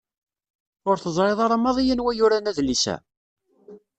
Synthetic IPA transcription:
ʊɾθəzˤɾeðˤɑɾˤɑmːɑðˤijənwæjʊɾænæðlisæ̰

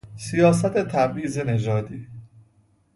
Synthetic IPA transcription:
sijɒːsæt̪ʰe̞t̪ʰæbʔiːze̞ne̞d͡ʒɒːd̪iː

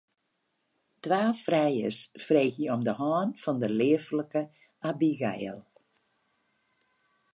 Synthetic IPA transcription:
tʋaːfrɛjə̰sfreːxjəɔmdəɦɔːnfɔndəlɪəfləkə | ʔabiɡɛ̰jə̰lˠ

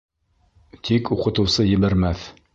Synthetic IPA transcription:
t̪ʰikuqɤ̆t̪ɤ̆wsɤjɘ̆βæɾmæθ

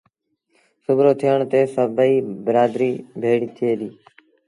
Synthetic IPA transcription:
sʊbɾoːt̪ʰɪjəɳt̪eːsəbəiːbəɾaːd̪ɾiːbʱeːɽiːt̪ʰɪeːɗ̪iː

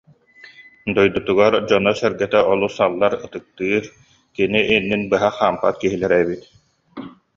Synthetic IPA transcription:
d̪ɔjd̪ut̪uɡaɾd͡ʑɔnɔsɛɾɡɛt̪ɛʔɔlˠusalˠːaɾɯt̪ɯk̚t̪ɯːɾ | kiniʔinːinbɯɦaχaːmpa̰t̪̚kiɦilɛɾɛbit̪

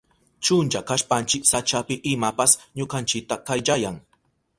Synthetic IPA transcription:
t͡ʃʊnt͡ʃakaʃpant͡ʃɪksat͡ʃapɪʔɪmapasɲʊkant͡ʃɪk̚t̪akajʎajaŋ

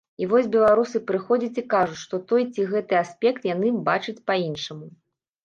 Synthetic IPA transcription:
ivɔsʲbʲɛlˠaɾusɨpɾɨxɔd͡zʲɐt͡sʲikaʐut͡sʲʂt̪ɔt̪ɔjt͡sʲiɣɛt̪ɨasʲpʲɛkt̪janɨbat͡ʂɨt͡sʲpainʂɐmu

